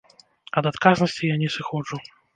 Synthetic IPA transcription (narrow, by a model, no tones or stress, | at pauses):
ɐd̪at̪kaznɐsʲt͡sʲijanʲɛsɨxɔd͡ʐu